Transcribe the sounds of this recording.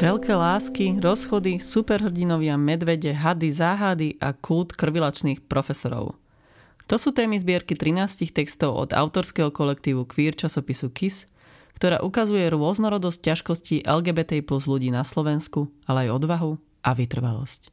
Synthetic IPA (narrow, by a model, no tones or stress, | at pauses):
ʋɛʎkɛːlaːskiɾɔsxɔd̪isupɛɾɦr̩ɟinɔʋɪamɛd̪ʋɛɟɛɦad̪izaːɦad̪iʔa̰kʰult̪kr̩ʋilat͡ʃniːxpɾɔfɛsɔɾɔ̰ʊ | t̪ɔsuːt̪ɛːmizbɪɛɾkit̪ɾinaːscixt̪ɛkst̪ɔʊʔɔ̰d̪a̰ʊt̪ɔɾskɛɦɔkɔlɛk̚t̪iːʋukʋiːɾt͡ʃasɔpisukis | kt̪ɔɾa̰ːʔukazujɛɾʊɔznɔɾɔd̪ɔsc̚caʃkɔsciːʔɛlɡɛːbɛːt̪ɛiplɔzluɟiːnaslɔʋɛnskualɛajɔd̪ʋaɦu | ʔaʋit̪r̩ʋa̰lɔ̰sc